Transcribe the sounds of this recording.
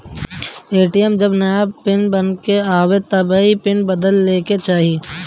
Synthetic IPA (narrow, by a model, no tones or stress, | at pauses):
eːʈijɛmd͡ʒɐbnɛːbpɪnbɐnkeaːʋet̪ɐbaipɪnbɐd̪əlːeːket͡ʃaːɦie